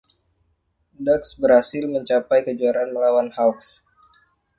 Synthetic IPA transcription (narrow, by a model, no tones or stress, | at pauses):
dəksbəɾhasɪlməɲt͡ʃapajkəd͡ʒuaɾaanməlawanhawks